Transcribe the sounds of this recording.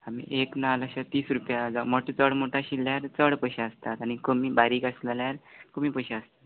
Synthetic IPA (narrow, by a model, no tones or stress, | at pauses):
amḭʔeknaləɕat̪iːsɾupjad͡zaməʈut͡səɽmoʈʰaɕilːjaɾt͡səɽpəɕaəst̪at̪aɽ̃ikəmiːbaɾiːkasləljaɾkəmiːpəɕeaəst̪at̪